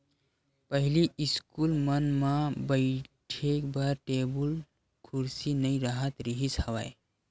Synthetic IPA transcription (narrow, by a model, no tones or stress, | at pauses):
pəɦiliiskulmənmãbəɪʈʰekbaɾʈebul | kʰuɾsinəiɾəɦət̪ɾiɦishɐʋa̰j